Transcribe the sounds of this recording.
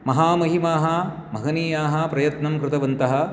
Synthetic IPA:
mɐɦaːmɐɦimaːɦɐmʱɐɡɐniːjaːɦɐpɾɐjɐt̪nɐmkɾɪt̪ɐʋɐnt̪ɐɦɐ̆

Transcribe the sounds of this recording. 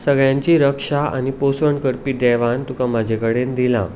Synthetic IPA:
səɡɭjãɲt͡ɕiɾəkʂaa̰niposʋəɳkəɾpiːd̪ɛʋãnt̪ukamad͡ʑʱekəɽend̪ilã̰

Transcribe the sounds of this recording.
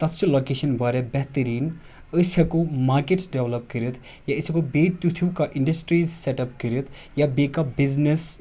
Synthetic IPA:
t̪ɐt̪silokeʃɐnbʱaɾebɛɦt̪əɾiːn | əsɐkomaːɾkeʈsɖeʋlɐp̚kəɾət̪ʰ | jaəsikobet̪ut̪ʰukaʔiɳɖəsʈɾizseʈɐp̚kəɾət̪ʰ | jabekabiznes

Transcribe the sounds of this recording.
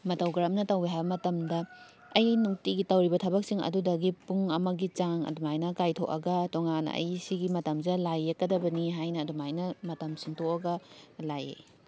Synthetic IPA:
mɐtɐwɡɾamnɐtɐwbiɦajbɐmɐtɐmdɐ | ɐjnuŋtiɡitɐwɾibɐtʰɐbɐk̚siŋɐ̰dudɐɡipuŋɐmɐɡit͡ʃaŋɐ̰dumajnɐkajtʰo̰ʔɐɡɐtoŋanɐ̰ɐ̰jsiɡimɐtɐmzɐlajːekːɐdɐbɐniɦajnɐːdumajnɐmɐtɐmsiŋtʰoʔɐɡɐlajḛ

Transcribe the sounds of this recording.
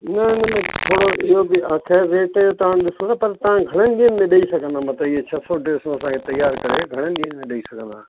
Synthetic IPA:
nɐɪnəmẽt̪ʰoːɽoɪɦobɪaːkʰɛːɾːeːʈjot̪ɐʋaːñɗɪsõt̪ʰaːpɐɾt̪ɐʋ̤ãɡʱɐɽ̃ənɪ̆ɡiːənmẽɗɐisɐɡʱə̃nd̪aːmɐt̪ləbɪɦet͡ʃʰɐsɔɖeːsõəsãːkʰet̪ɐjːaːɾkɐɾeɡʱɐɽ̃ənɪ̆ɗiːənmẽɗɐisɐɡʱə̃nd̪aː

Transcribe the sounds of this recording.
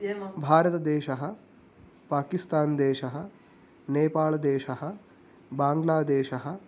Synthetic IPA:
bʱaːɾɐt̪ɐd̪eːʃɐɦɐ̆ | paːkist̪aːnd̪eːʃɐɦɐ | neːpaːɭɐd̪eːʃɐɦɐ | baːŋɡlaːd̪eːʃɐɦɐ̆

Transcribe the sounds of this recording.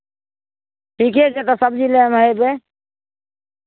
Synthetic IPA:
ʈʰikeket̪ɔsəb̚d͡ʒilemɦəjbe

